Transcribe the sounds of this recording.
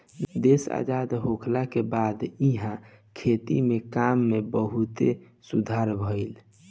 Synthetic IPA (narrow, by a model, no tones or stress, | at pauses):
d̪esa̰d͡ʒad̪ɦokʰlakebad̪iɦã | kʰet̪ḭmekamːebəɦut̪e | sud̪ʱaɾbʱəɪl